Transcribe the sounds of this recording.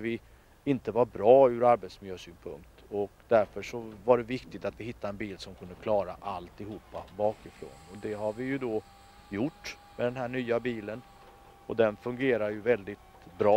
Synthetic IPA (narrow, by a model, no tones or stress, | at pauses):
vɪ | ɪnt̪əvaɾbɾɑːʉɾaɾbet̪smɪljøːsyːnpʰɵ̰ŋkt̪ɔkd̪æɾfœʂɔvaɖɛvɪkt̪ɪɡ̚t̪at̪vɪhɪt̪ːaɛnbiːlsɔmkʰɵnd̪əkʰlɑːɾaʔalt̪ɪɦuːpːabɑːkɪfɾo̰ːnɔd̪ɛɦaɾvɪjɵd̪ɔ | jʊʈː | mɛd̪ɛnɦæːɳyːabiːlən | ɔd̪ɛnfɵŋɡeːɾaɾjɵvɛld̪ɪt̪ | bɾɑː